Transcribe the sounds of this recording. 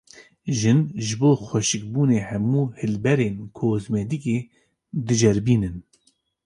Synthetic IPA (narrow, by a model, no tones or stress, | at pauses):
ʒɨnʒɨboːxʷɛʃɨk̚buːneːhɛmuːhɨlbɛɾeːnkʰoːzmɛd̪ikeː | d̪ɨd͡ʒɛɾbiːnɨn